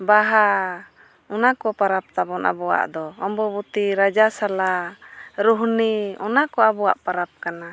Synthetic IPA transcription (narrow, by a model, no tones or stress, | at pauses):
baɦa | ɔnakɔpaɾap̚t̪abɔnʔa̰bɔwa̰ʔd̪ɔɔmbɔbut̪iɾad͡ʒasala | ɾuɦniɔnakɔabɔwa̰ʔpaɾap̚kana